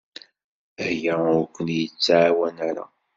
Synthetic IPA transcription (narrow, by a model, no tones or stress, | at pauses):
æhjæʊɾkʷːənjət͡sːaʕawænaɾa̰